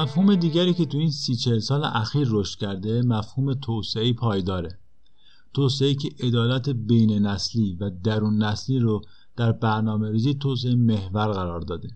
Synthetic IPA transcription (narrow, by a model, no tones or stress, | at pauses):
mæfhuːme̞d̪iːɟæɾiːcet̪ʰuiːnsiːt͡ʃʰe̞lsɒːlḛʔæxiːɾːoʃt̪cʰæɾd̪e̞mæfhuːme̞t̪ʰoseiːpʰɒːjd̪ɒːɾe | t̪ʰoseeiːcʰeʔed̪ɒːlæt̪ʰebejnenæsliːvæd̪æɾuːnːæsliːɾo | d̪̥æɾbæɾnɒːme̞ɾiːziːt̪ʰos̬eeme̞hvæɾɣæɾɒːɾd̪ɒːd̪e